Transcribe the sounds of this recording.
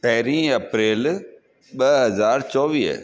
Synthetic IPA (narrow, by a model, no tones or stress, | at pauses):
t̪ɛːɾĩːəpɾeːl | ɓəɦəzaːɾt͡ʃɔːʋiːɛ̰ː